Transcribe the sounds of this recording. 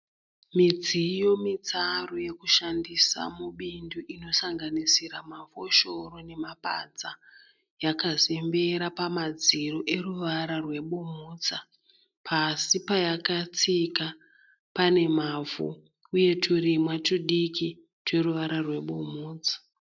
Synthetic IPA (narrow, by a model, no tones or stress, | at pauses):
mid͡zijo̞mit͡saroje̞kuʃandisa̰muɓinduʔino̞saŋɡanisiɾamafo̞ʃo̞ro̞ne̞mapa̰d͡za | jakazembe̞ɾapamad͡ziroʔe̞ruʋaɾarwe̞ɓumuːt͡sa | pʰasipajakat͡sika | pane̞mavṵ | uje̞tʰurimwat͡ʃuɗiki | twe̞ruʋaɾarwe̞ɓumuːt͡sḁ